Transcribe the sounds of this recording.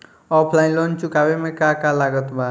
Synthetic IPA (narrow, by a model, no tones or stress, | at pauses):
ɔpʰlajnlɔnt͡ʃukabemekakalaɡʌt̪ba